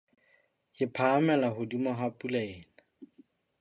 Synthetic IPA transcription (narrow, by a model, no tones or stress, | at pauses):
kʼɪpʰaːmɛlaɦʊdimʊɦapʼulaɛːna